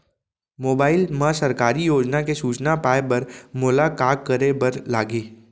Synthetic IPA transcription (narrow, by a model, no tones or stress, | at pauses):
moːbaːɪlmãsɐɾkaːɾijoːd͡ʒnakesuːt͡ʃnapaːebɐɾmolakaːkːɐɾebɐɾlaːɡeː